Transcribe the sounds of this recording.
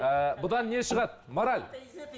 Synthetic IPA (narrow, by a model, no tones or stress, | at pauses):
əbʊd̪ɑnːe̞ʃəʁɑt̪̚moɾalʲ